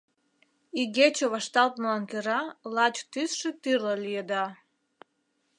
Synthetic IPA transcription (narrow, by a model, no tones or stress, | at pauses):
iɣet͡ɕoβɑʃt̪ɑlt̪məɑŋkeɾɑlɑt͡ɕt̪ysʃĕt̪yrləlʲijed̪ɑ